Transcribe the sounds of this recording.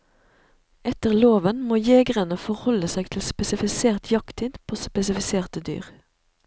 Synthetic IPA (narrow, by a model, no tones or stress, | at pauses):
ɛt̪əʁloːʋənmoːjeːɡʁənəfɔʁhɔləseːɡ̚t̪ʰɪlspɛsɪfɪseːʁt̪ʰjɑkt̪ʰɪd̪pʰoːspɛsɪfɪseːʁt̪əd̪y̰ːʁ